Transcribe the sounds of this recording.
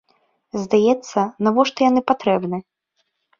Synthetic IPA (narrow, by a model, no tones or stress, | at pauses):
zd̪ajɛt̪sːɐnavɔʂt̪ɔjanɨpat̪ɾɛbnɨ